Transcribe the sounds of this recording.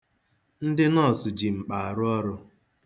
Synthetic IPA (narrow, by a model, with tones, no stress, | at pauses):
n̩˦dɪ˦nɔ˦˨sʊ˨d͡ʒi˨ŋ͡m̩˨k͡pa˨a˨ɾʊ˦ɔ˦ɾʊ˦